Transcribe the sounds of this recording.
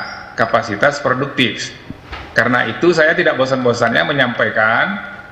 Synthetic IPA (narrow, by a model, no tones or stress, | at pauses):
kapasit̪aspɾoduk̚t̪ɪf | kaɾənaʔit̪usajat̪idaʔbos̬anbosanɲa̰məɲampajkan